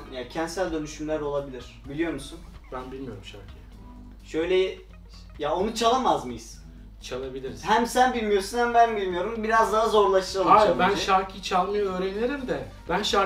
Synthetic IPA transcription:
jaːcʰɛnt̪sælʲd̪ø̞nyʃymlʲæɾo̞lˠabilʲiɾ̥bilʲijo̞ɾmusunb̥ænbilʲmijo̞̰ɾumʃa̰ɾcʰi | ʃø̞jlʲɛ | jao̞nut͡ʃʰalˠamazmɯjɯz̥ | t͡ʃʰalˠabilʲiɾizhæmsænbilʲmijo̞ɾsunhæmbænbilʲmijo̞ɾumbiɾazd̪aɦazo̞ɾlˠaʃɯɾalˠabænʃaɾkʰit͡ʃʰalˠmajøːɾeneɾimd̪ɛ | b̥ænʃa

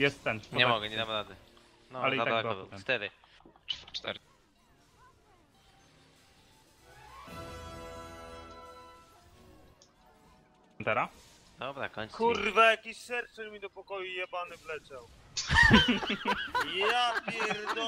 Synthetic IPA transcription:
jɛst̪ːɛnpɔɲɛamɔɡɛɲɛnapɾavd̪ɛ | nɔalɛiaaaɡɔb̪ɛmft̪ɛd̪ɪ | t͡ʂt̪ɛ̰ɾ | nt̪ɛɾa | d̪ɔbɾa̰kɔɲt̪skurvɛjakiɕsɛɾt̪sɛɾmʲid̪ɔpɔkɔjujɛpanɨvlɛt͡ɕaw | japʲjɛɾd̪ɔ

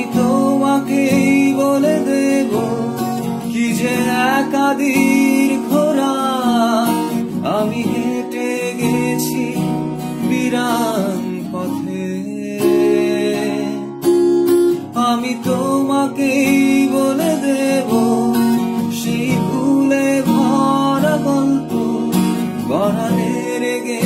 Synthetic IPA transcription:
it̪omakejboled̪ebo | kid͡ʑeɛkad̪iɾɡʱoɾa | amiɦeʈe | ɡet͡ɕʰi | biɾaɡipɔt̪ʰe | amit̪omakejboled̪ebo | ʃejpʰulebʱɔɾaɡɔnt̪o | ɡɔɾane | ɾeɡe

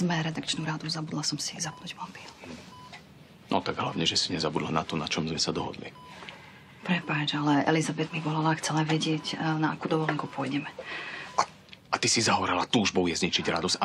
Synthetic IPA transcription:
zmɛɾɛd̪akt͡ʃnuɾad̪uzabud̪lasɔmsizapnuːɟmɔp̪i | nʔɔ̰t̪aɡɦlaʊɲɛʒɛsiɲɛzabud̪la̰nat̪ɔnat͡ʃɔmzmɛsad̪ɔɦɔ̰d̪lḭ | pɾɛpaːt͡ʃalɛɛ̰lizabɛd̪miʋɔlalaxt͡sɛlaʋɛɟɪɛcnaakuːd̪ɔʋɔlɛŋkupʊɔjɟɛmɛa | at̪isizaɦɔʋɾɛlat̪uːʒbɔjɛzɲit͡ʃiɟɾad̪ɔs

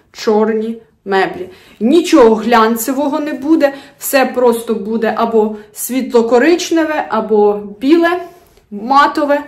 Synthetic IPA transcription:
t͡ʃɔrnʲi | mɛblʲi | nʲit͡ʃɔɦɔɦlʲɑnʲt͡s̪ʲɪʋɔɦɔnɛbud̪ɛwsɛpɾɔst̪ɔbud̪ɛʔɐbɔsʲʋʲit̪lˠɔkɔɾɪt͡ʃnɛʋɛʔɐbɔbʲilˠɛ | mɑt̪ɔʋɛ

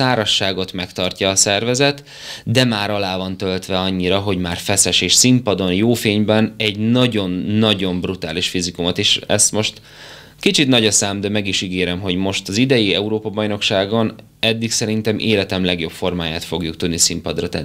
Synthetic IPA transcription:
aːɾɒʃːaːɡo̞t̪mɛkt̪ɒrcɒːsɛrvɛzɛt̪ | d̪ɛmaːɾɒlaːvɒnt̪ølt̪ʋɛɒɲːiɾɒɦo̞ɟmaːrfɛsɛʃeːʃsimpɒd̪o̞njoːfeːɲbɛnɛɟnɒɟo̞nːɒɟo̞mbrut̪aːliʃfizikumɒt̪eːʃɛ̰st̪mo̞ʃt̪ | kit͡ʃit̪nɒɟɒsaːmd̪ɛmɛɡiʃiɡeːɾɛmɦo̞ɟmo̞ʃt̪ɒzid̪ɛjiɛuɾoːpɒbɒjno̞kʃaːɡo̞n | ɛd̪ːiksɛɾint̪ɛmʔeːlɛt̪ɛmlɛɡjo̞pfo̞rmaːjaːt̪fo̞ɡjukt̪ud̪nisimpɒd̪rɒt̪ɛ̰nː

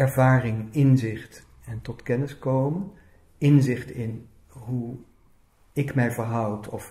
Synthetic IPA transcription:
ɛɹvaːrɪŋɪnzɪχt | ɛntɔtkɛnɪskowmən | ɪnzɪχtɪn | ɦu | ɪkmɛjvəːɹɦʌwtɔf

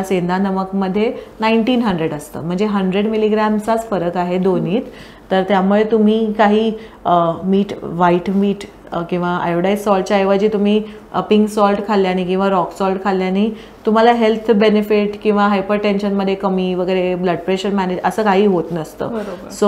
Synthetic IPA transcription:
asend̪ʱanəməkməd̪ʱːjenaiɳʈiːnɦəɳɖɾeɽəst̪ə̰ːm̤əɳd͡zeɦəɳɖɾeɽmiliɡɾæmsat͡sfəɾəkaɦed̪oniːt̪ː | əɾt̪jamuɭet̪um̤iːkaɦiː | miːʈʋaiʈmiːʈ | kĩw̃ʋaa̰joɽajssɔlʈ̚t͡ɕjaːjʋat͡ɕiːt̪um̤iː | əpiŋksɔlʈkʰaljañiːkĩw̃ʋaɾɔksɔlʈkʰaljañiː | t̪um̤alaɦelt̪ʰbenefiʈkĩw̃ʋaɦajpəɾʈenɕənməd̪ʱːjekəmiːʋəɡəjɾebləɖ̚pɾeɕəɾmæned͡ʑəsəːkaɦiːɦot̪nəst̪ə̰ːəɾəso

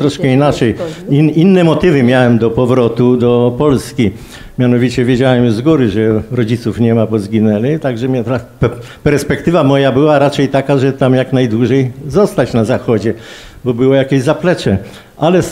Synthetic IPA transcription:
t̪ɾɔʂkɛinat͡ʂɛjiinːɛmɔt̪ɘvɘmʲjawɛmd̪ɔpɔvɾɔt̪ud̪ɔpɔlskʲi | mʲjanɔvʲit͡ɕɛvʲjed͡ʑawɛmzɡuɾɘʐɛɾɔd͡ʑit̪sufɲɛmapɔzɡʲinɛlɪt̪aɡʐɛmʲat̪ap | pɛɾspɛkt̪ɘvamɔjabɘwaɾat͡ʂɛjt̪akaʐɛt̪amjaknajd̪wuʐɛjzɔst̪at͡ɕnazaxɔd͡ʑɛ | bɔbɘwɔjakʲeʑzaplɛt͡ʂɛ | ʔalɛ

